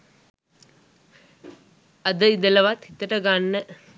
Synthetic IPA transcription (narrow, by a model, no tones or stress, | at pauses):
ɐd̪əid̪ɐlɐʋat̪it̪ːɐʈɐɡanːə